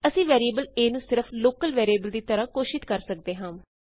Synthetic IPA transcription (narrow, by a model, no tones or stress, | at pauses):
əsĩːʋɛːɾiəːbəleːnũːsɪɾəpʰloːkəlʋɛːɾieːbəld̪iːt̪əɾãːkoːʃɪt̪kəɾsək̚d̪eːɦãːm